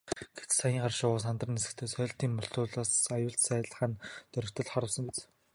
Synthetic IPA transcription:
ɡ̥et͡ssajiːɴɢarʃʊːsant̪rə̆nesɘ̆kt̪ʰeːsœ̆ːɬt̪iːmmʊɬt̪ʊːɮaːsajʊːɬt̪sæːɮ̆χaːnt̪œɾʲɵ̆kt̪ə̆ɮχɔɾə̆wsə̆ŋpet͡s

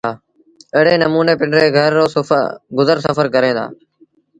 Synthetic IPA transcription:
aː | eːɽeːnəmuːneːpɪɳɖɾeːɡʱəɾːoːɡʊzəɾsəfəɾkəɾẽːd̪a̰ː

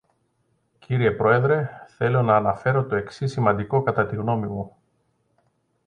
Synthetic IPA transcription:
ciɾie̞pɾo̞e̞ðɾe̞θe̞lo̞nɐːnɐfe̞ɾo̞t̪o̞e̞ksisimɐnd̪iko̞kɐt̪ɐt̪iɣno̞mimu

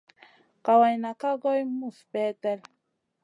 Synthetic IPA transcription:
qawajnakaɡojmuspet̪ɛl

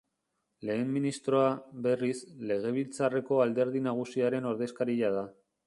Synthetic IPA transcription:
le̞ːmːinist̪ɾo̞aβe̞risle̞ɣ̞e̞β̞ilt͡sare̞ko̞ald̪e̞ɾð̞inaɣ̞usiaɾe̞no̞ɾðe̞skaɾiʎað̞a

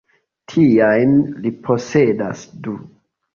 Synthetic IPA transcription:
tʰiajnlipʰo̞se̞da̰sdu

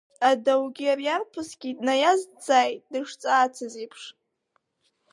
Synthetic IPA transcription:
adawɡʲiarjarpʰɨsɡʲitʼnajazd͡zaːjtʼdɨʂt͡sʼaːt͡sʰɨzipʰʂ

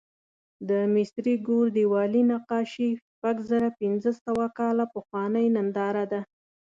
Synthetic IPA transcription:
d̪əmɪsɾiɡoɾd̪iwɑlinaqɑʃiʃpaɡzaɾapɪnzəsawakɑlapəxwɑnəjnand̪ɑɾad̪a

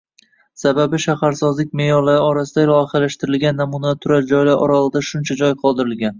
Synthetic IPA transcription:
sababɪʃahaɾsɒzlɪk̚ʲmejɒɾlaɾɪɒɾasɪd̪alˠɒχalaʃt̪ɪɾɪlɡʲanːamunat̪ʰʊɾald͡ʒɒjlaɾʔɒ̰ɾalɪd̪aʃʊnt͡ʃʰad͡ʒɒjqʰɒlˠd̪ɪɾɪlɡʲan

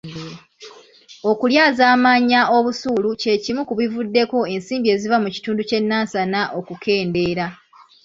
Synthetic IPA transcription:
o̞kuljaːzaːmaːɲːaʔo̞βusuːluce̞cimukuβivudːe̞ko̞e̞nsiːmbie̞ːzivamuci̥tuːnduce̞nːaːsanaʔo̞kukʰe̞ːnde̞ːɾa

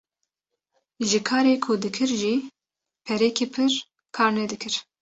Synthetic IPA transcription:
ʒɨkʰɑːɾeːkʰud̪ɨkʰɨɾʒi | pʰɛɾɛkʰiːpʰɨɾ | kʰɑːɾned̪ɨkʰɨɾ

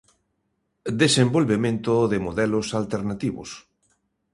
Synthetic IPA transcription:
d̪esembolβemẽnt̪ʊðɪmoðɛlosalt̪eɾnat̪iβʊ̰s

